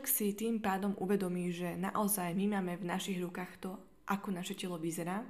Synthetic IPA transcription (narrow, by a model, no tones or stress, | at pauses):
ksit̪iːmpaːd̪ɔmʔuʋɛd̪ɔmiːʒɛna̰ʔɔzajmimaːmɛvnaʃiɣɾukaːxt̪ɔ | ʔakɔnaʃɛcɛlɔʋizɛɾaː